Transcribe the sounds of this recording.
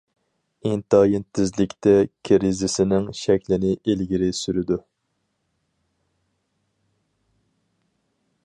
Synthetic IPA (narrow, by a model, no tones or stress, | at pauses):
int̪ɑːjɪnt̪ʰɪzlɪkʲt̪ɛkʲʰɾɪzɪsɪnɪŋʃɛkʲlɪnɪʔelɡʲiɾɪsyɾɪd̪u